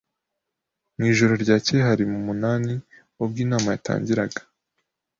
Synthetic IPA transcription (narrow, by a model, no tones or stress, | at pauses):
mŋiːʒo̞ɾo̞ɾɟaːceɦaɾimumunaːni | ob̚ɡiːnaːmajatʰa̰ːɲɟiɾaɡḁ